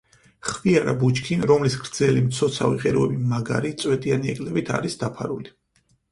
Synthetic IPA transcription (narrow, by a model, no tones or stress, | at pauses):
χviaɾabut͡ʃkʰinɾɔmlisɡɾd̪zɛlimt̪sʰɔt̪sʰa̰viqʼɛɾuɛbimaɡa̰ɾit̪sʼwɛt̪ʼianiɛkʼlɛbit̪ʰa̰ɾisd̪̥apʰaɾuli